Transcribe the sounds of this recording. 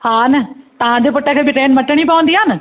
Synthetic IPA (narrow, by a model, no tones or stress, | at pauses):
hãːnɐt̪ɐʋ̤ãd͡ʑepʊʈəkʰeːbɪʈɾeːnmɐʈəɽ̃ipɐʋə̃nd̪iaːnɪ